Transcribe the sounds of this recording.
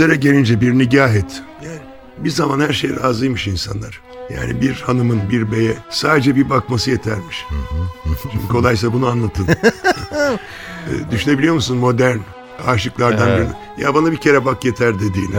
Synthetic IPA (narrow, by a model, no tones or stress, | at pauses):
eɾɛɟe̞lʲind͡ʒɛbiɾniɟaːɦɛt̪ʰjaːn | bizamanhæɾʃe̞jɾaːzɯjmɯʃinsa̰nlˠaɾ̥ | ja̰ːnḭbiɾhanɯmɯnbiɾbe̞jɛsaːd̪e̞d͡ʒɛbibakmasɯje̞t̪ʰæɾmiʃ | t͡ʃʰyɲcʰyo̞lˠajsˠabunuanlˠat̪ʰɯn | d̪yʃyne̞bilʲijo̞musunmo̞d̪æɾn | aːʃɯklˠaɾd̪anbiɾni | ja̰banabicʰe̞ɾɛbakje̞t̪ʰæɾd̪ed̪iːnɛ